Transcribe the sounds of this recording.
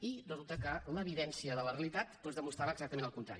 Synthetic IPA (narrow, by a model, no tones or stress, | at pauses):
irəzulˠt̪əkələβiðɛnsiəðələreəlit̪at̪pozðəmust̪ɾaβəɡzak̚t̪əmẽnəlˠkunt̪ɾa̰ɾi